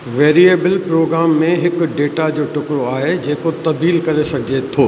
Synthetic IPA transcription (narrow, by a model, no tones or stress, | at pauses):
ʋeːɾieːbɪlpɾoːɡɾaːmːẽɦɪkʊ̆ɖeːʈad͡ʑoːʈʊkɾoaːɦed͡ʑeːkot̪ɐb̪iːlkɐɾesɐɡʱɪd͡ʑet̪ʰoː